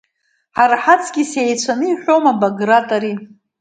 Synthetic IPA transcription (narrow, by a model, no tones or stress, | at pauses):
ħaɾħat͡sʰɡʲisejt͡ɕʷʰanɨiħʷᶣomabaɡratʼaɾi